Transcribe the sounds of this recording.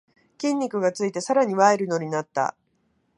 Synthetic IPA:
kʲĩɲʲːikɯ̟ɡat͡sɨit̪e̞saɾaɲ̟iβaeɾɯ̟no̞ɲ̟inat̪ːa̰

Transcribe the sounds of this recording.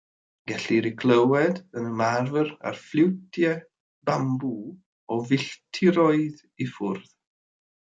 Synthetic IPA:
ɡ̥ɛɬiɾɪkʰlˠəwɛdənəmarvəra̰rflˠɪwtʰjɛ | bambu | ɔvɪɬtʰɪɾɔɨð | ifʊrð

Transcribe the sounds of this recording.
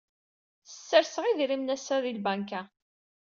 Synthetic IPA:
θə̥sːəɾsəʁiðɾimnæsaðilbæŋkæ

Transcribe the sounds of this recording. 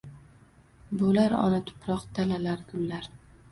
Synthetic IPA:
bʊlaɾɒ̰nat̪ʰʊ̥pʰɾɒqt̪ʰalalaɾɡʊlːaɾ

